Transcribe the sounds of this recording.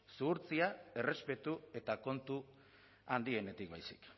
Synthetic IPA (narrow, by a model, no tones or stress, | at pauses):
suuɾt͡siae̞re̞spe̞t̪ue̞t̪ako̞nt̪u | and̪ie̞ne̞t̪ik̚bajsi̥̰k